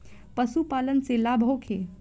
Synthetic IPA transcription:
pəsupaːlənselabʱowkʰe

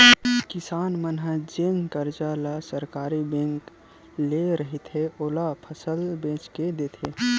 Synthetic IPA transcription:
kɪsaːnmənɦəd͡ʒeːŋɡkəɾd͡ʒalasəɾkaːɾibẽŋk | leɾəɦit̪ɦeʔoːlapʰəsəlbẽːt͡ʃked̪eːt̪ʰe

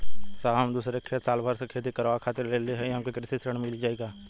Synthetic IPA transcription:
saɦɐmd̪uːsɾekʰeːt̪saːlbʱaːɾsekʰeːt̪ikɐɾʋakʰaːt̪ɪɾleːleɦɛ̃eɦɐmkokɾɪsisɾəɳ̃mɪlid͡ʒaːeɡaː

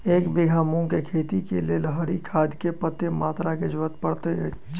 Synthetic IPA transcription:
eːkbɪɡʱaːmõkekʰeːt̪ikeleləɦəɾikʰaːd̪kepət̪ːemaːt̪ɾaked͡ʒʊʋət̪pəɽt̪ḛ

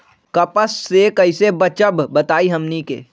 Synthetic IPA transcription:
kɐpəsːekɐɪsebət͡ʃəbbət̪aːiɦɐmnikḛː

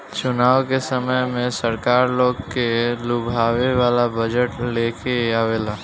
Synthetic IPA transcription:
t͡ʃʊnaːwkesəməjmẽsəɾkaːɾloːɡkelʊbʱaːʋeʋaːlabəd͡ʒəʈleːkeaːʋeːlaː

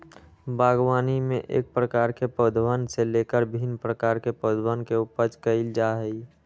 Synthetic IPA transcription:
baːɡwaːnimẽʔḛːk̚pɾəkaːɾkepəd̪ʱwaːnseleːkəɾbʱinpɾəkaːɾkepod̪ʱwaːnkeupəɾt͡ʃkəild͡ʒaɦəi

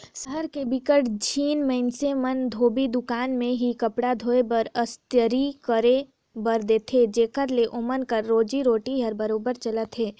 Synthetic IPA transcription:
səɦəɾkebɪkəʈd͡ʒʰʱiːnmə̃ɪnsemənd̪ʱoːbid̪ʊkaːnmẽɦikɐpɽad̪ʱoːebəɾəst̪jəɾikəɾe | bɐɾd̪eːt̪ʰed͡ʒeːkəɾleʔʊmənkəɾːoːd͡ʒiɾoːʈiɦəɾbəɾoːbəɾt͡ʃələt̪ɦeː

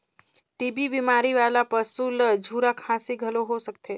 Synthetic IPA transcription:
t̪ibʱibimaɾiʋalapəsuləd͡ʒʱuɾakʰãsiɡʱəloɦosək̚t̪ʰe

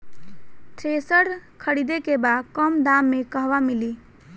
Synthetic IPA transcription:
t̪ʰɾesəɾkʰəɽid̪ekebad̪kəmd̪amːekəɦʋamili

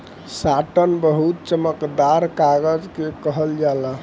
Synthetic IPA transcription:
saʈənbəɦut̪̚t͡ʃəməkd̪aɾkaɡəd͡ʒkekəɦəld͡ʒala

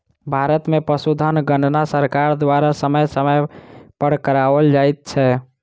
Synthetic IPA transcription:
bʱaɾət̪mepəsud̪ʱənɡəɳɖnasəɾkaɾd̪waɾasəməjsəməjpəɽ̤kəɾabəld͡ʒajt̪̚t͡ʃʰɛ

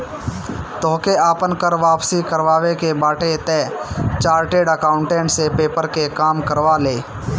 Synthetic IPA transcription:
t̪ɔːkeaːpənkəɾʋaːpsikəɾʋaːwekebaːʈet̪ẽːt͡ʃaːɾʈeːɖəkaːʊ̃ɳʈẽːʈsepeːpəɾkekaːmkəɾʋaleː

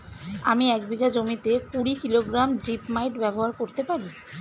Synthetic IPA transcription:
a̰miɛkbiɡad͡ʑomit̪ekuɾikiloɡɾamd͡ʑipmajʈbɛboɦaɾkoɾt̪epaɾi

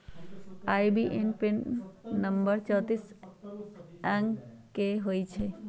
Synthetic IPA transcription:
aːjbiʔenpenːəmbəɾt͡ʃət̪is | ɛ̃ŋkeɦoːjt͡ʃʰe

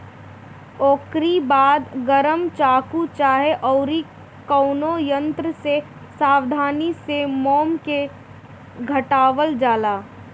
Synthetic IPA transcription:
oːkɾibaːd̪ɡəɾəmt͡ʃaːkut͡ʃaːɦeʔɔːɾi | kɔʊnojə̃nt̪ɾəse | saːwd̪ʱaːnisemɔːmke | ɡʱəʈaːʋəld͡ʒaːlaː

